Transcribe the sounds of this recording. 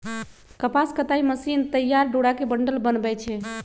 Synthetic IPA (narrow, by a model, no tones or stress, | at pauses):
kəpaskət̪aiməsint̪əjːaɾɖoɽakebəɳɖəlbənbɛt͡ʃʰɛ